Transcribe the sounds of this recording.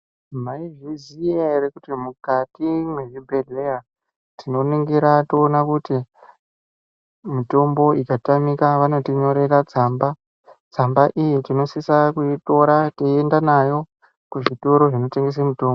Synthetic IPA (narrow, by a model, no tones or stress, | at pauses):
maiʐizijerekutimukatimwe̞ʐibʱe̞ɮe̞ja | tino̞niŋɡiɾatoːnakuti | mito̞mbo̞ikatamikaʋano̞tiɲo̞ɾe̞ɾad͡zamba | d͡zambaʔijetino̞sisakuito̞ɾateendanajo̞ | kuʐito̞ɾo̞ʐino̞te̞ŋɡe̞s̬emuto̞ːmbo